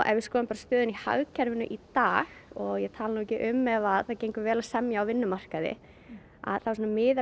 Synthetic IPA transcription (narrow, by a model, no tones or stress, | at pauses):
ʔɛ̰nvɪskɔːðɪmpaɾast̪œːðʏniha̰ɣcʰɛɾvɪnʏʔit̪aːɣɔɣjɛt̪ʰaːlanuːɛcɪʔʏmːɛvaðθaðcejŋkʏɾvɛːlasɛmjaːwvɪnːʏmar̥kaðɪ̰ | a̰ðθasɔnamɪːða